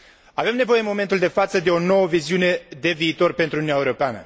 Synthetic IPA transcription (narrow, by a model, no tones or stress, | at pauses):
ave̞mne̞vo̞je̞mo̞ment̪uld̪e̞fat̪səd̪e̞o̞no̞wəviziune̞d̪e̞viːt̪o̞rpe̞nt̪ɾuniunaeuɾo̞peanə̰